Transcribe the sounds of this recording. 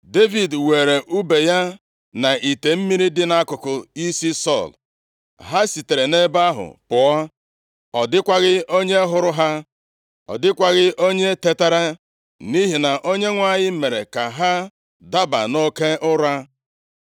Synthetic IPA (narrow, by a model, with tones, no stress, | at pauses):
de˦vi˨dwe˨ɾe˨ʔu˦be˨ja˦ | na˨ʔi˨te˨m̩˦mi˦ɾi˦dɪ˦na˦kʊ˨kʊ˨i˦si˦sɔ̰˦˨l | ɦa˦si˨te˨ɾe˨ne˦ba˦ɦʊ̰˨pʊ˨ɔ˦ | ɔ˨dɪ˦kʷa˦ɣɪ˦o˦ɲe˦ɦʊ˦ɾʊ˦ɦa˦ | ɔ̰˨dɪ˦kʷa˦ɣɪ˦o˦ɲe˦te˦ta˦ɾa˦ | ni˦ɦi˨na˨ʔo˦ɲe˦ŋʷa˦˨ɲɪ˦me˨ɾe˨ka˨ɦa˦ | da˦ba̰˨no˦ke˦ʊ˦ɾa˦